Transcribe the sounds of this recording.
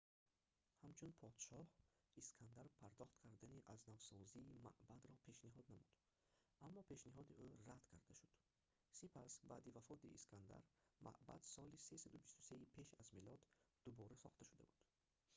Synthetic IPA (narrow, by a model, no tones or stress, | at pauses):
hamt͡ʃʰunpʰɔd̪̥ʃɔhiskʰand̪aɾpʰaɾd̪ɔχt̪kʰaɾd̪aniʔaznavsɔziːma̰ʔbad̪ɾɔpʰe̞ʃniɦɔd̪namud̪̥ | ʔamːɔpʰe̞ʃniɦɔd̪iʔuɾad̪kʰaɾd̪aʃud̪̥ | sipʰasba̰ːd̪ivafɔt̪iːskʰand̪a̰ɾmʔa̰ʔba̰d̪sɔlisesad̪ubist̪u̥se̞ipʰe̞ʃazmilɔd̪ː | ubɔɾasɔ̰χt̪aʃud̪a̰bud̪̥